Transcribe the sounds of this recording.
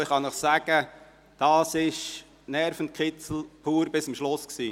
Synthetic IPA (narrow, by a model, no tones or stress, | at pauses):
ɪχɑnəχsæɡ̥ə | d̥ɑːsɪʃ | nɛɾfəntkʰɪt͡sl̩pʰuːɾbɪsəmʃlosksiː